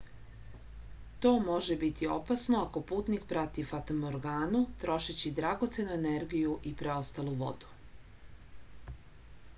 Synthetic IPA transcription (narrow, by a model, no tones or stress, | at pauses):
t̪o̞ːmo̞ʒe̞bit̪io̞̰pasno̞ako̞puːt̪nikpɾat̪ifat̪omoɾɡaːnut̪ɾo̞ʃit͡ɕid̪ɾaɡo̞t̪se̞nuene̞ɾɡijuʔipɾe̞o̞st̪alˠuʋo̞̰d̪u̥